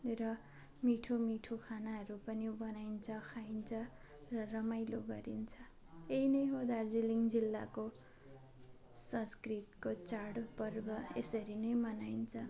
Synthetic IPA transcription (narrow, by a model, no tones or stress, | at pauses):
rʌ | miʈʰomiʈʰokʰanaɦʌɾupʌnibʌnaint͡sʰʌkʰaint͡sʰʌ | rʌrʌmajloɡʌɾint͡sʰʌ | einʌjɦod̪ard͡ziliŋd͡zilːa̰ko | sʌ̃skrit̪kot͡sarɽpʌrbʌḛsʌɾinʌjmʌnaint͡sʰʌ